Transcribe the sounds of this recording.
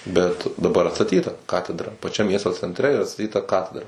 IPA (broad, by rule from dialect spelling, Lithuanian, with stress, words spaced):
bʲɛt dɐˈbɐr ɐtsɐˈtʲiːtɐ ˈkɑːtʲɛdrɐ pɐˈt͡ʃʲɛm ˈmʲiɛstoː t͡sʲɛnʲtʲˈrʲɛ ɪr ɐtstɐˈtʲiːtɐ ˈkɑːtʲɛdrɐ